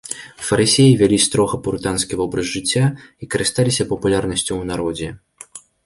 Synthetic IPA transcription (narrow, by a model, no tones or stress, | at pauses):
fɐɾɨsʲejivʲɛlʲist̪ɾɔɣɐpuɾt̪anskʲivɔbɾɐzʐɨt͡sʲːaikɐɾɨst̪alʲisʲɐpɐpulʲarnɐsʲt͡sʲuwnaɾɔd͡zʲɛ